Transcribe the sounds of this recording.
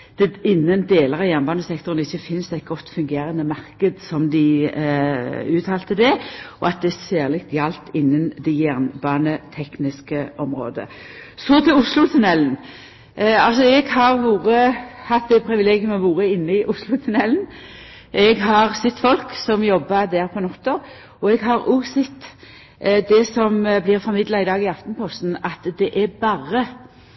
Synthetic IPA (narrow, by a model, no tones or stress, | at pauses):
d̪̥ɛɪnːənd̪eːləʁɑjæʁnbɑːnəsɛkt̪ɔʁənɪçːəfɪnsd̪æɪt̪̚ɡɔt̪ːfʉŋɡeːɾənːəmɑʁkəd̪sɔmd̪ɪ | ʉːt̪ʰɑːlt̪əd̪ɛɔ̰ɑt̪̚d̪ɛsæːʁlɪk̚t̪jɑlt̪ɪnːənd̪ɛjæʁnbɑːnət̪ʰɛknɪskəʔɔmʁo̰ːd̪ə̰ | sɔt̪ʰɪlʊslʊt̪ʰʉnɛlən̩ | ɑlsɔɛɡhɑʁʋuːʁəhɑt̪d̪ɛpʰɾɪʋɪleːɡjʊmɔʋuːɾəɪnːəɪʔʊslʊt̪ʰʉnɛln | ʔɛɡɦɑʁsɪt̪ːfɔlksɔmjɔbːɑd̪æːɾpʰɔnɔt̪ːɔ | ɔɛɡɦɑʁuːsɪt̪ː | d̪ɛsɔmblɪʁfɔɾmɪd̪lɑɪd̪ɑːɡɪɑft̪npʰɔst̪n̩ɑt̪d̪ɛʔɛbɑːɾə